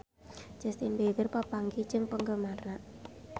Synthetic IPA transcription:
d͡ʒ̥ɛst̪inbeɡɪrpapaŋɡit͡ʃɪŋpəŋɡəmarnaʔ

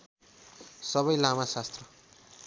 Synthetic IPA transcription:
sʌβʌjlamasast̪rʌ

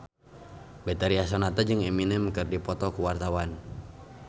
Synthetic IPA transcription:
bɛt̪aɾiasɔnat̪ad͡ʒɨŋɛminɛmkɨrdipɔt̪ɔkuwart̪awan

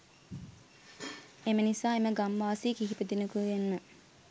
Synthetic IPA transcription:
emənisaːeməɡamʋaːsiːkiɦipəd̪inəkuʋenmə

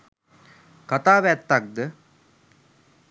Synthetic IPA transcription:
kat̪aːʋæt̪ːak̚d̪ə

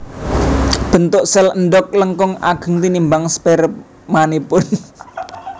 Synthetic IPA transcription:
b̥ə̤nt̪ʊʔsɛlənɖɔk̚ləŋkɔŋa̰ɡ̥ə̤ŋt̪inimbaŋspɛɾəp | manipʊn

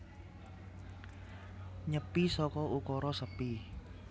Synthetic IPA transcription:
ɲəpisɔkɔʔukɔɾɔsəpi

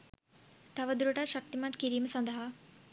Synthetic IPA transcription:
t̪aʋəd̪ɾoʈaɕak̚t̪imãt̪kiɾiːmsə̃nd̪ʱaɦa

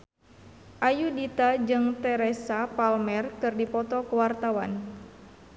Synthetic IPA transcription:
ʔajudit̪ad͡ʒɨŋt̪ɛɾɛsapalmɛrkɨrdipɔt̪ɔkuwart̪awan

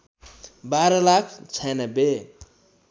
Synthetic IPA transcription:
baɾʌlakʰt͡sʰajnʌbe

